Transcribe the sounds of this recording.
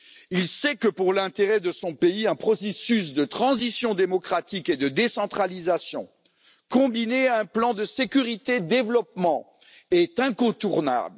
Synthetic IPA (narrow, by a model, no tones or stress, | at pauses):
ilsɛkəpuʁlɛ̃t̪eʁɛd̪əsɔ̃peiɛ̃pχɔsesys̬d̪ət̪χɑ̃zisjɔ̃d̪emɔkχat̪iked̪əd̪esɑ̃t̪χalizasjɔ̃ | kɔ̃bineaɛ̃plɑ̃d̪əsekʲyʁit̪ed̪evlɔp̚mɑ̃ | ɛt̪ɛ̃kɔ̃t̪uʁna̰bl